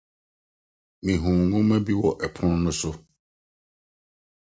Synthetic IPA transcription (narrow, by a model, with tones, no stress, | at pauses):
mĩ˨ɦũ˨ŋːʊ̃˦mæ̃˦bi˦wɔ˨ʔɛ˨pʰʊ̃˦n˦nʊ̃˦sʊ˦